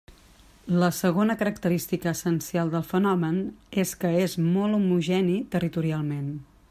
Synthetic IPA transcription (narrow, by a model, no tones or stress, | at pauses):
ləsəɣ̞onəkəɾəkt̪əɾist̪ikəːsənsialˠd̪əlˠfənɔməneskəezmɔlˠumuʒɛnit̪ərit̪uɾialˠmen